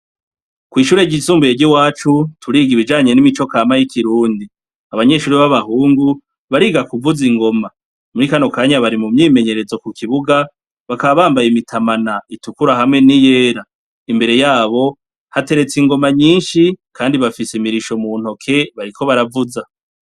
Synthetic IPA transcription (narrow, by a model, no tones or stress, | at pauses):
kwiːʃuːɾe̞ɟisuːmbujeɟiwaːt͡ʃutʰuɾiːɡiβid͡ʒaːɲe̞nimit͡ʃo̞kaːmajikʰiɾuːndi | aβaɲe̞ʃuːɾiβaβahuːŋɡu | βaɾiːɡakuvuziŋɡo̞ma | muɾikano̞kaːɲaβaɾimumɲiːme̞ɲe̞ɾe̞zo̞kukʰiβuɡa | βakaβaβaːmbajimitʰamanaitukuɾahamŋe̞nijeːɾa | imbe̞ɾe̞jaːβo̞ | hate̞ɾe̞t͡siŋɡo̞maɲiːnʃikʰaːndiβafisemiɾiʃomuːn̥ho̞kʰe̞βaɾikʰo̞βaɾavuza